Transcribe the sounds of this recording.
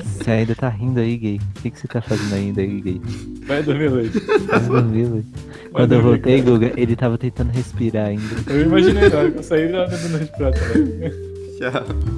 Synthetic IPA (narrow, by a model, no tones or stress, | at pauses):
seaĩnd̪ɐt̪aɦĩnd̪ʊaiɡejkʲekɪ̥set̪afazẽnd̪ʊaĩnd̪ɐiɡuɡejvajd̪ohmilet̪vajd̪ohmilejt | kwɐ̃nd̪ʊewwvowt̪ejɡuɡɐʔelɪt̪avɐt̪ẽt̪ɐ̃nd̪ʊɦespiɾaɾaĩnd̪ɐewimaʒinɡaɾkõsaid̪d̪oĩnɐheʃpiɾat̪ɐɛ | ka